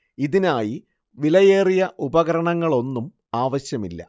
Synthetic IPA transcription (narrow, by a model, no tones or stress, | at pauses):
iðinaːji | ʋilɐjeːrijɐʔubɐɣɐɾɐɳɐŋːɐɭo̞nːum | aːʋɐɕjɐmilːɐ̰